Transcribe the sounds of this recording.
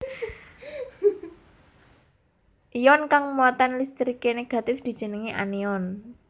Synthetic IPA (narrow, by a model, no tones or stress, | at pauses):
ʔijɔnkaŋmɔt̪anlist̪ɾikeneɡ̥ä̤t̪ɪfd̪̥i̤d̥ʒ̥ə̤nəŋiʔa̰niɔn